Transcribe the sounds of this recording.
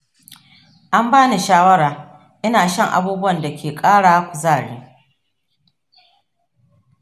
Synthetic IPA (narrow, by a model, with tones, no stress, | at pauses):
ʔa˦mbaː˦ni˨ʃaː˦wɐ˦ɽaː˨ | ʔɪ˦naː˨ʃɐ˦˨ŋʔa̰˨buː˦bʊ˦wɐ˨nda˨kʲʰeː˨kʼaː˦ɽaː˨˦kʷʊ˨zaː˦˨ɽḛː˦